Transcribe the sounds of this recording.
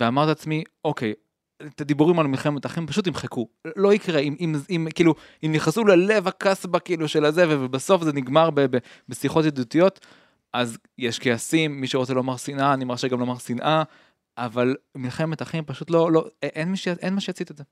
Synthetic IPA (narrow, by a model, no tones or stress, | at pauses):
veamaʁt̪at͡smio̞kej | et̪ad̪ibuʁimalmilχemetaχimpaʃut̪̬imχekulo̞ikʁeimʔimimkiiːlu | imniχasulele̞vakasbakiiːluʃelazevevebaso̞fzeniɡmaʁbebebesiχo̞t̬jed̪ut̪ijo̞t̪ | ʔaz | jeʃkeasimːiʃeʁo̞t͡selomaʁsinʔanimaʁʃeɡamlomaʁsinʔa | avalmilχemet̪aχimpaʃutlo̞loʔenmiʃeaʔenmaʃejat͡sit̪eze